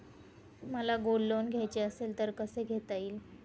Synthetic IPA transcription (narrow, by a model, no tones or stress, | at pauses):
m̤əlaɡolːonɡʱjajt͡ɕeəselt̪əɾkəseɡʱet̪aiːl